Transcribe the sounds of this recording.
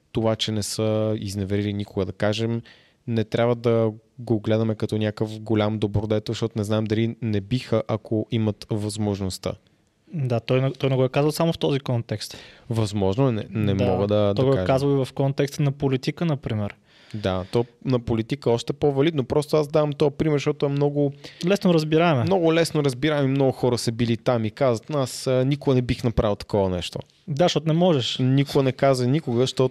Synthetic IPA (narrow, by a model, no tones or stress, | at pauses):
t̪ovat͡ʃɛnɛsəiznɛvɛɾilinikoɡəd̪ɐkaʒɛm | nɛt̪ɾʲabvəd̪ɐɡoɡlɛd̪ɐmɛkɐt̪ɔnʲjakəfɡolʲamd̪obɾod̪ɛt̪oʃt̪ɔt̪onɛznaɛmd̪ɐlinɛbixəʔakʰoʔimɐt̪vɐzmoʒnost̪ə̰ | d̪at̪ɔjnɛt̪ɔjnɛɡɔɛkazvɐlˠsamoft̪ɔzikɔnt̪ɛkst̪vɐzmɔʒnoɛnɛnɛmɔɡəd̪ɐd̪ɔɐjɡɔɛaɛkazvɐlˠivɐfkɔnt̪ɛkst̪nɐpolit̪ikənɐpɾimɛɾ | d̪at̪ɔnɐpolit̪ikəɔʃt̪ɛpovɐlid̪nopɾɔst̪oazd̪avɐmt̪ɔpɾimɛɾʃt̪ɔt̪ʊɛmnɔɡʊlɛsnoɾəzbiɾamɛmnɔɡʊlɛsnoɾəzbiɾaɛmimnɔɡʊxɔɾəsəbilit̪amikazət̪nasnikʊɡənɛbixnɐpɾalˠt̪ɐ̥kɔvənɛ̰ʃt̪o̰ | d̪aʃtɔt̪ʊnɛmɔʒɛʃnikʊɡənɛkazənikʊɡəʃt̪ɔ